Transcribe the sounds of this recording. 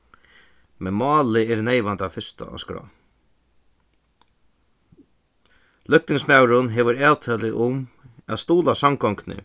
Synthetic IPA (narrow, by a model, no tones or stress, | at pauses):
mɛnmɑːlɪɛɾnejʋant̪afɪst̪a̰a̰skɾɔ̰ː | lʏk̚t̪ɪŋsmaːwɾʊnɦeːʋəɾɛːwt̪ʰœːlɪʔʊmæ̰ðst̪uːlasamkɔŋknɪ̰